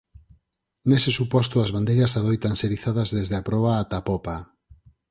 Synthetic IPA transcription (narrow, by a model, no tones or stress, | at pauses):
nesɪsupɔst̪ʊɐzβand̪ejɾɐsaðojt̪anseɾiθaðɐzðezðeapɾɔβ̞aːt̪apɔpa